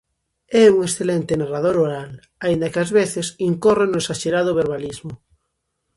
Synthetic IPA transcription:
ɛuŋesθelent̪enarað̞oɾoɾal | aind̪akeazβeθesiŋkorenoesaʃeɾaðoβ̞eɾβalizmo

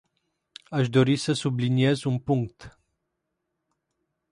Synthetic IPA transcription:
aʃd̪oɾisəsubliniezunpuŋk̚t̪

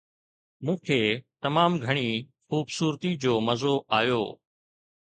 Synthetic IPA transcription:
mũːkʰeːt̪ɐmaːmɡʱɐɽ̃ixuːbsuːɾt̪id͡ʑoːmɐzoʔaːjoː

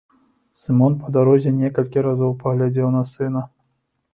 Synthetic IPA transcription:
sɨmɔnpɐd̪aɾɔzʲɛnʲɛkɐlʲkʲiɾazɔwpɐɣlʲad͡zʲewnɐsɨnɐ

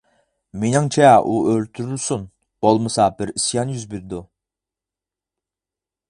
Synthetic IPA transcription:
menɪŋt͡ʃʰɛʔuøɾt̪ʰyɾylsun | b̥olˠmɨsɑbɪɾisjɑnjyzbiɾd̪u

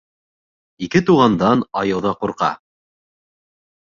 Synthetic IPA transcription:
ikɘt̪uʁɑnd̪ɑnɑjɤ̆wðɑquɾqɑ̰

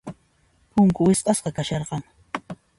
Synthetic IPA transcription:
pʊŋkʊwɪsqɑsqɑkaʃɑɾqɑŋ

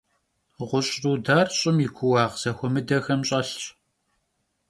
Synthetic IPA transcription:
ʁʷʊɕʼruːdaːrɕʼɪmikʷʰʊwɑːʁz̥ɐxʷɔmɨdɐxɐmɕʼɐɬɕʼ

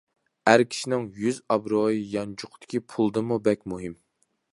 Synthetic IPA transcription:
æɾkʲʰi̥ʃinɪŋjyzɑbɾojijɑnt͡ʃʰʊqt̪ʰɪ̥kʲipʰulˠd̪ɨmubɛkʲmuɦɨm

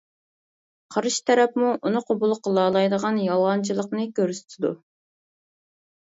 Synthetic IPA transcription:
qʰɑɾɨʃt̪ʰɛɾɛpmuʔunɨqʰobulˠqʰəlˠɑːlˠɑjd̪əʁɑnjɑlˠʁɑnt͡ʃʰilˠəqnɨkʲøɾsy̥t̪ʰɪd̪ṵ

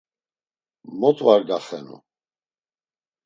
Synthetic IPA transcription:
mɔt̪ʼvaɾd̪aχɛnṵ

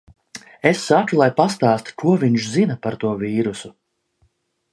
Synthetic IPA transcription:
esːakulˠajpast̪aːst̪u̥kuɔviɲʃzinapaɾt̪uɔviːɾusu

